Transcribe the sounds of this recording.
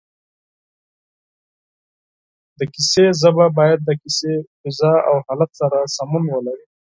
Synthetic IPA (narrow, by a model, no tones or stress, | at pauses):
d̪əkisezəbabɑjad̪̚ːəkisefɪzɑa̰whɑlat̪saɾasamunwəlaɾi